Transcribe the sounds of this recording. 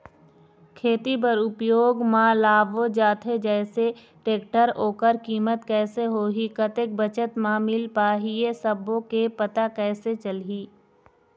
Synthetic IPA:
kʰeːt̪ip̬əɾʊpjoːɡmãlaːbod͡ʒaːt̪ʰɦed͡ʒɛːse | ʈeːkʈəɾoːkəɾkiːmət̪kɛːseɦoːɦikət̪ek̚bət͡ʃət̪mãːmɪlpaːɦiesəbõkepɐt̪akɛːset͡ʃəlɦiː

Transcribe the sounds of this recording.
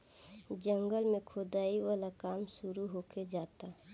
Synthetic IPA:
d͡ʒə̃ŋɡəlmẽkʰoːd̪aːiwaːlakaːmsʊɾuɦoːked͡ʒaːt̪a

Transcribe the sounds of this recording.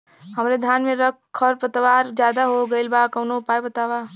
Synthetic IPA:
həmɾed̪ʱjanmeɾək̚kʰːəɾpət̪ʋaɾd͡ʒjad̪aɦoɡəɪlbakəʊnoʊpajbət̪aba

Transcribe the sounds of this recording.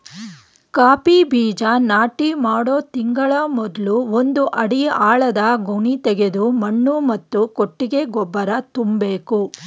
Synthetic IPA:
kaːpibiːd͡ʒɐnaːʈimaːɽoːt̪iŋɡɐɭɐmɔd̪ɐluond̪uʔɐɽijɐʔaːɭɐd̪ɐɡʱuɳit̪ɛɡe̞d̪umɐɳːumɐt̪ːukoʈːiɡe̞ɡɔbːɐɾɐt̪umbeːku

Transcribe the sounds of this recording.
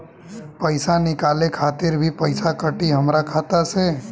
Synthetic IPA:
pəɪsanɪkaːlekʰaːt̪ɪɾbʱipəɪsakəʈiɦəmɾakʰaːt̪aseː

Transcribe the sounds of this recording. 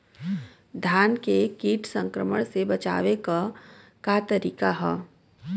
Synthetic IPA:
d̪ʱjaːnkekiːʈsə̃ŋkɾəmə̰ɽ̃sebɐt͡ʃa̰ːʋeka | kaːt̪əɾiːkaɦɛː

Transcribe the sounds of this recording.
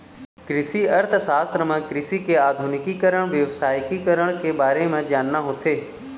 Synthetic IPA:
kɾɪsiɐɾt̪ʰsaːst̪ɾəmãkɾɪsikeaːd̪ʱunɪkikəɾəɽ̃ʋjəʋsaːjkikɐɾəɽ̃kʰebaːɾemãːd͡ʑaːnnãɦot̪ʰeː

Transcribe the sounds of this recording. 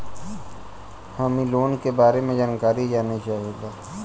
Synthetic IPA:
hamiloːnkebaːɾemẽd͡ʒaːnkaːɾid͡ʒaːnit͡ʃaːɦeɡaː

